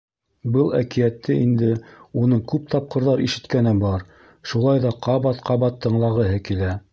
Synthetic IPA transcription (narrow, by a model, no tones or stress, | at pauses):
bɤlˠækijæt̪ːɘḭnd̪ɘunɤɴkʉp̚t̪ɑp̚qɤ̆ɾðɑɾiʃɘ̆t̪kænɘbɑɾ | ʃulˠɑjðɑqɑβɑt̪qɑβɑt̪ʰːɤ̆ɴlˠɑʁɤ̆ɦɤkilæ